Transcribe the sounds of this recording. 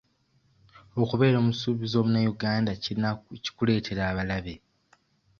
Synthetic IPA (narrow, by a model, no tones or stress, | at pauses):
o̞kuβe̞ːɾo̞ːmusuːβizo̞ːβunajuɡaːndaiiaci̥kule̞ːtʰe̞ɾaːβalaβe̞